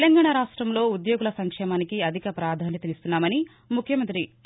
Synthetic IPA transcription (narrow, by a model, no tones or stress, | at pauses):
lɐŋɡaːɳaɾaːʂʈɾɐmlo̞ːud̪jo̞ːɡulɐsɐŋkʂɛːmaːnikiɐd̪ʱikɐpɾaːd̪ʱaːnjɐt̪ɐmist̪unːaːmɐni | mukʰjɐmɐnt̪ɾi